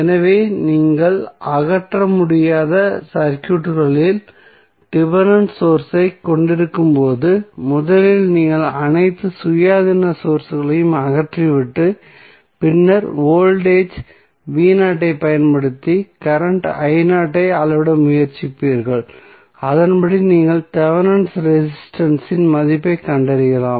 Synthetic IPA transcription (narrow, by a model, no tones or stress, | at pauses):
ɛnɐʋeːniːŋɡɐɭɐɣɐʈrɐmʊɽɪjaːðɐsɐɾkjuːʈːɣɐɭɪl | ʈɪbɐnɐnsoːɾsɐɪkːɔɳɖɪɾɯkːɯmpoːðɯmʊðɐlɪlniːŋɡɐɭɐnɐɪt̪ːɯsʊjaːðɪnɐsoːɾsɯɣɐɭɐjɯmɐɣɐʈriʋɪʈːɯ | pɪnːɐɾoːlɖeːd͡ʒ | ʋiːnaːʈːɐɪpɐjɐnpɐɽɯt̪ːikɐɾɐɳʈɐjnaːʈːɐɪɐlɐʋɽɐmʊjɐɾt͡ʃɪpːiːɾɣɐɭ | ɐðɐnpɐɽiniːŋɡɐɭt̪ɐʋɐnɐɳsɾɛsɪsʈɐnsɪnmɐðɪpːɐɪkɐɳɖɐɾɯɣɐlaːm